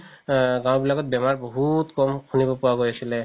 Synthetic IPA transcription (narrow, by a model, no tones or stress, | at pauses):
ɡãw̃bilaɡɔt̚bɛmaɹbɔɦutkɔmkʰunibɔpuwaɡojasilɛ